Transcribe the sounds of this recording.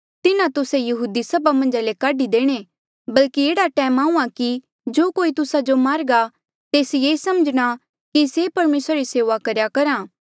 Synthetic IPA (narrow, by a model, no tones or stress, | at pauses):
t̪ɪnãt̪ʊsejɐɦuːd̪isɐbamɐ̃nd͡ʒalekaːɖid̪eːɽ̃e | bɐlkieːɽaʈɛːmaːũːãki | d͡ʒoːkoːit̪ʊsad͡ʒomaːɾɡa | t̪eːsjeːsɐməd͡ʒɽ̃a | kisepɐɾmeːsɾaɾiseːʋakɐɾjakɐɾãː